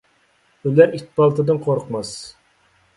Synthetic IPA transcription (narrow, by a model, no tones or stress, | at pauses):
ylæɾit̪̚pɑlˠt̪ɨd̪ɨnqʰoɾqmɑs